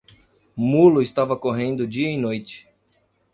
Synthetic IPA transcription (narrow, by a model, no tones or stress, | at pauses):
mulʊɪst̪avɐkoɦẽnd̪ʊd͡ʒiɐinojt͡ʃɪ̥